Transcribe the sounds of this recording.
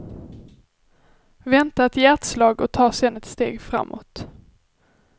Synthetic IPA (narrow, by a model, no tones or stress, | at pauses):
vɛnt̪at̪ʰɪjæʈ̪slɑːɡɔt̪ʰɑːsɛnɛt̪st̪ḛːɡfɾa̰mːo̰t̪